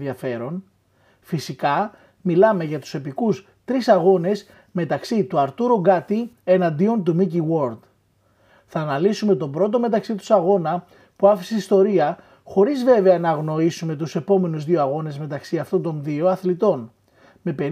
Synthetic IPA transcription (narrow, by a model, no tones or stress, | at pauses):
iɐfe̞ɾo̞n | fisikɐ | milɐme̞ʝɐt̪u̥se̞pikus | t̪ɾisɐɣo̞ne̞s | me̞t̪ɐksit̪uɐɾt̪uɾuɡɐt̪ienɐnd̪io̞nt̪umiciwo̞ɾd̪ | θɐːnɐlisume̞t̪o̞bɾo̞t̪̬o̞me̞t̪ɐksit̪u̥sɐɣo̞nɐ | puɐfi̥seist̪o̞ɾiɐ | xo̞ɾizve̞ve̞ɐnɐːɣno̞isume̞t̪̬use̞po̞me̞nuzðio̞ɐɣo̞ne̞zme̞t̪ɐksiɐft̪o̞nt̪o̞nðio̞ɐθlit̪o̞n | me̞pe̞ɾ